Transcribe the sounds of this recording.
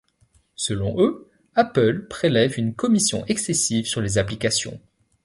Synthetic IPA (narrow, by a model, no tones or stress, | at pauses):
səlɔ̃ʔø | apəlpχelɛvynkɔmisjɔ̰̃ʔɛksesivsyʁlezaplikasjɔ̰̃